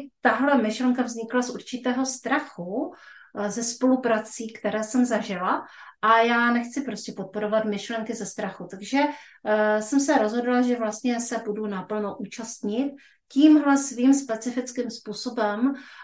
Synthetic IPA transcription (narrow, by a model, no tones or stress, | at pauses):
t̪aɦlɛmɪʃlɛŋkavzɲɪklasʔuɾt͡ʃɪt̪ɛːɦo̞st̪ɾaxu | zɛspo̞lupɾat͡siːkt̪ɛɾɛːsɛmzaʒɪlaʔajaːnɛxt͡sɪpɾoscɛpot̪̚po̞ɾo̞vat̪mɪʃlɛŋkɪzɛst̪ɾaxut̪aɡʒɛ | sɛmsɛɾo̞zɦo̞dlaʒɛvlast̪ɲɛsɛbudunapl̩noʔuːt͡ʃast̪ɲɪt̪̚ | ciːmɦlɛsviːmspɛt͡sɪfɪt͡skiːmspuːso̞bɛm